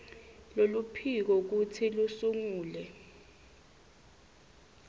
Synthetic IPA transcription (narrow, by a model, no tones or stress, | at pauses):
lolupʰik̬ɔk̬ut͡sʰilusuŋuːlɛ